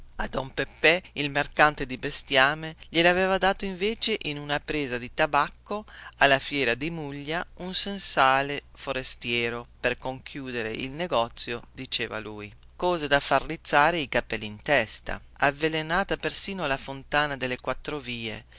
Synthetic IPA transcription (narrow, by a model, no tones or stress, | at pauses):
ad̪ɔmpepːɛilmerkant̪ed̪ibest̪jaːmeʎelavɛːvad̪aːt̪oiɱveːt͡ʃeʔinunapɾeːzad̪it̪abakːoalːafjɛːɾad̪imuʎːaunsensaːlefoɾest̪jɛːɾoperkoŋkʰjuːd̪eɾḛʔḭlneɡɔt̪sːjod̪it͡ʃeːva̰luːj | kɔːzed̪afarrːit̪sːaːɾeikapɛlːiint̪ɛst̪a̰ | avːelenaːt̪apersiːnoalafont̪aːnad̪elːekwat̪ːɾoviːḛ